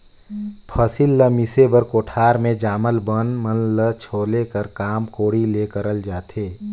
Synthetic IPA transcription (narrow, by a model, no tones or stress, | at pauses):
pʰəsɪlːəmɪsebəɾkoːʈʰaːɾmẽd͡ʒaːməlbənmənlət͡ʃʰoːlekəɾkaːmkoːɽileːkəɾəld͡ʒaːt̪ʰeː